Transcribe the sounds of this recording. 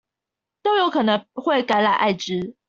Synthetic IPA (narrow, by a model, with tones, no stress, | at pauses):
t̪o˥ʊjo˨˦ʊkʰɤ˨˩nə˨˦ŋxwe˥˨ɪka˧˥ɪla˨˩ɪʔa˥˩ɪʈ͡ʂɻ̩˦